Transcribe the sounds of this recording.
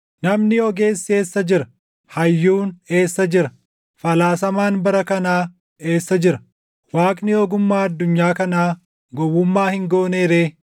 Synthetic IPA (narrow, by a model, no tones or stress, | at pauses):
nɐmnɪɔɡe̞ːsːe̞ːsːɐd͡ʒɪɾɐ | hɐjːuːne̞ːsːɐd͡ʒɪɾɐ | fɐlaːsɐmaːnbɐɾɐkɐnaː | e̞ːsːɐd͡ʒɪɾɐ̥ | waːkʼnɪjoːɡʊmːaːɐd̪ːʊɲːaːkɐnaː | ɡɔwːʊmːaːhɪŋɡo̞ːneːɾeː